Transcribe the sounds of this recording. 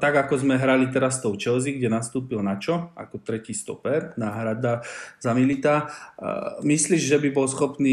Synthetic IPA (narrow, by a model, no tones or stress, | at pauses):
t̪aɡakɔzmɛɦɾalit̪̬ɛɾast̪ɔʊt͡ʃɛlziɡɟɛnast̪uːpilnat͡ʃɔa̰kɔt̪ɾɛciːst̪ɔ̰pɛnaːɦɾad̪azamilit̪a | misliːʒʒɛbibɔlsxɔpniː